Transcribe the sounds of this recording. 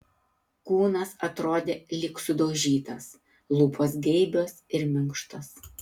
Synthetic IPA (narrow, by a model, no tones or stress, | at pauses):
kuːnɐsɐt̪ɾoːd̪ʲeːlʲɪksʊd̪oːʒʲiːt̪ɐs | lˠuːpʰoːsɡʲɛɪbʲoːsɪɾmʲɪŋkʃt̪ɐs